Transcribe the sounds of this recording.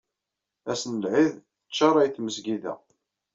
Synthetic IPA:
æsənəlʕið | ət͡ʃːɑɾˤɑjθməsɡiðæ̰

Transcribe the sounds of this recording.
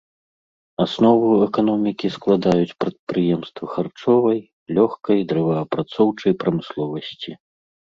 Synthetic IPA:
asnɔvuɛkanɔmʲikʲisklˠad̪ajut͡sʲpɾɐt̪̚pɾɨjɛmst̪vɐxart͡ʂɔvɐj | lʲɔxkɐjd̪ɾɐvɐːpɾat̪sɔwt͡ʂɐjpɾɐmɨslˠɔvɐsʲt͡sʲi

